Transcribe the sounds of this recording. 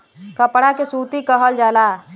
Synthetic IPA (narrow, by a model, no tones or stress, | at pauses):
kəpɽakesuːt̪ikəɦəld͡ʒaːlaː